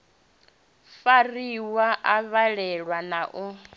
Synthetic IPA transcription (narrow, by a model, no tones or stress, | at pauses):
fariwaʔaβaɺɛɺwanaʔu